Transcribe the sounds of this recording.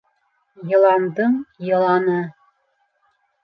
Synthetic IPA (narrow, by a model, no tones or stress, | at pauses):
jɤ̆lˠɑnd̪ɤŋjɤ̆lˠɑnɤ